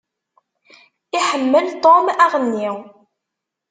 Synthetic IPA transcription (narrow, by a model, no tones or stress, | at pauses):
iħəmːəlt̪ˤomæʁənːi